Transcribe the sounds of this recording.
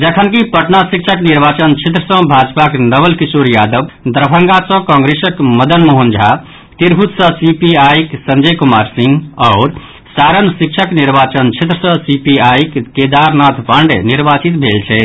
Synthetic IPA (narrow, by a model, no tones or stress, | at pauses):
d͡ʒəkʰənkipəʈnasik̚t͡ʃʰəkniɾbat͡ʃənt͡ʃʰet̪̬ɾəsə̃bʱad͡ʒpaknəbəlkisoɾjad̪əbd̪ɾəpʰəŋɡasə̃kɔ̃ŋɡɾesəkməd̪ənmoɦənd͡ʒʱa | t̪iɾbʱut̪sə̃sipiajksənd͡ʒəjkumaɾsiŋɡɔʊɾ | saɾənsik̚t͡ʃʰəkniɾbat͡ʃənt͡ʃʰet̪ɾəsə̃sipiajkked̪aɾnat̪ʰpaɳɖniɾbat͡ʃit̪bʱelt͡ʃʰɛ